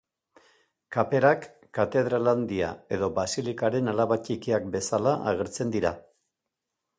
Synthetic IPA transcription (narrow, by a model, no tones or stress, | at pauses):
kape̞ɾakː | at̪e̞ð̞ɾaland̪ia̰e̞ðo̞basilikaɾe̞nalaβat͡ʃikiak̚be̞salaʔa̰ɣ̞e̞ɾt͡se̞nd̪iɾa